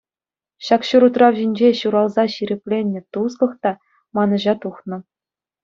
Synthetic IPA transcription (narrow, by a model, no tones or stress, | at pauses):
ɕɑkɕuɾut̪rɑwʑinʲd͡ʑeɕuɾɑlˠzɑɕiɾʲĕpʲlʲenʲːɘ̆t̪us̬kɤ̆χt̪ɑ | mɑnɤ̆ʑɑt̪uχnɤ̆